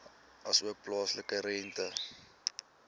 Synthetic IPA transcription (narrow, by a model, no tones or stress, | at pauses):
ɐsuək̚plɑːsləkəɾɛntə